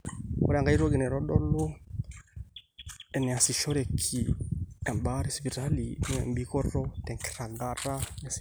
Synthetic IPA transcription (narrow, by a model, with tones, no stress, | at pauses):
ɔ̰˦ɾa˨ŋɡa˦i˦ɾɔ˦ɡɛ˨nɛ˨ɾɔ˦ɗɔ˦lu˦ | ɛ˨nɛ˨a˨si˨ʃɔ˦ɾɛ˨kʰi˨a˨mba˦ɾi˦spi˨ɾa˦li˨n˦ɛ̰˨mbi˦kɔ˦ɾɔ˦tɛ˨ŋkɛ̥˨ɾa˨ɡa˨ɾa˦a˨s